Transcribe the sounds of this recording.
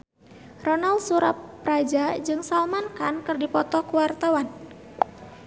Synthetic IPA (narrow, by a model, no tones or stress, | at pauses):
rɔnalsuɾapːɾad͡ʒad͡ʒɨŋsalmankankɨrdipɔt̪ɔkuwart̪awan